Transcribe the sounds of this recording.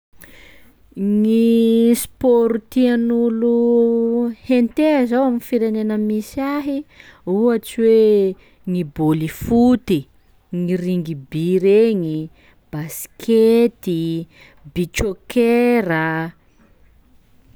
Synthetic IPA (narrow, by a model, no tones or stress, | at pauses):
ŋispoɾut̪ianulu | hent̪eazawaminfiɾenenəmisaɦiuat͡siwe | ŋibolifut̪i | ŋiriŋɡibiɾeɲi | b̥askʰet̪i | bit͡ʃokeɾə